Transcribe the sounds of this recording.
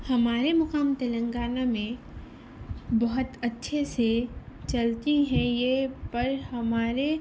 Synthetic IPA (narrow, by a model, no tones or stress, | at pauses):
hɐmaːɾemɐqaːmt̪elə̃ŋɡaːnamẽ | bɐɦʊt̪ɐtːʃʰeset͡ʃɐlt̪iɦɛ̃jepɐɾhɐmaːɾe